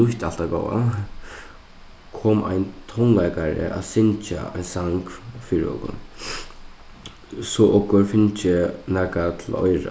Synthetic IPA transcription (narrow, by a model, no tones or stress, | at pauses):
nʊht̪al̥t̪aɡɔwa̰ | kʰɔːma̰jnt̪ʰɔnlajkaɹɪ̰ʔa̰ðsɪnt͡ʃa̰a̰ɪnsaŋkfiːɾɪ̰ɔ̰kʊ̰n | sɔʔɔkʊɾfɪnt͡ʃɪnɛːkat̪ʰɪlɔ̰jɾa̰